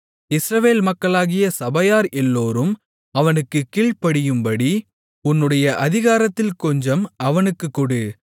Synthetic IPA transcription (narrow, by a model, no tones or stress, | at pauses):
ɪsɾɐʋeːlmɐkːɐɭaːɣɪjɐsɐbɐjaːɾɛlːoːɾɯm | ɐʋɐnɯkːɯkːiːɭpɐɽɪjɯmbɐɽi | ʊnːɯɽɐjɐʔɐðɪɣaːɾɐt̪ːɪlkɔɲd͡ʒɐmɐʋɐnɯkːɯkːɔɽɯ